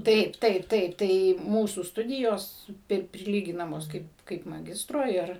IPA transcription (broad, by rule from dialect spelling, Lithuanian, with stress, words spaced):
ˈtɐɪp ˈtɐɪp ˈtɐɪp ˈtɐɪ ˈmuːsuː ˈstʊdʲɪjoːs ˈpʲɪr pʲrʲɪˈlʲiːɡʲɪnɐmoːs ˈkɐɪp kɐɪp mɐˈɡʲɪstroː ˈɪr